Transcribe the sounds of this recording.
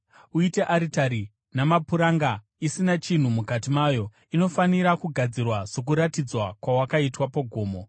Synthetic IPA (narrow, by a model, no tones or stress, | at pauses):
uite̞ʔaɾitaɾi | namapuɾaŋɡa | isinat͡ʃin̤umukatimaːjo̞ | ino̞faniɾakuɡʱad͡zirwasok̬uɾatid͡zwakwawakaitwapoɡʱo̞ːmo